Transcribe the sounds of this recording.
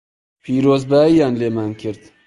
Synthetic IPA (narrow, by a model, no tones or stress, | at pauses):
pʰiːɾoːzbaːijaːnleːmankʰɪɾd̪